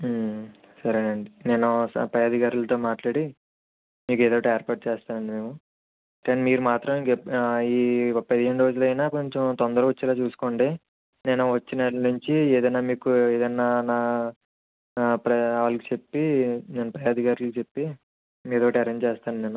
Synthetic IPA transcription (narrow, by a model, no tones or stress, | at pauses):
sɐɾɐɳɐɳɖine̞ːnuspɾɐjaːd̪ikaːɾulɐt̪o̞ːmaːʈlaːɽi | miːk̬eːd̪oːʋɐʈɐeːɾpaɾʈ̚t͡ʃeːst̪aːnɐɳɖime̞ːmu | kaːnimiːɾumaːt̪ɾɐmkepiːpːɐd̪iɦe̞ɳɖɾoːd͡ʒulɐjnaːkoɲt͡ʃemt̪ond̪ɐɾuʋɐt͡ʃːɛlaːt͡ʃuːsu̥koːɳɖeː | neːnuʋɐt͡ʃːinɐnuɲt͡ʃieːd̪ɐjnaːmiːkueːd̪ɐnːaːnaː | pɾɐaːlɐkit͡ʃe̞pːine̞ːnupɾɐjaːd̪ikaːɾulkt͡ʃe̞pːi | eːd̪oʋɐʈɐɐɾeɲd͡ʒt͡ʃɛːst̪aːnɐneːnu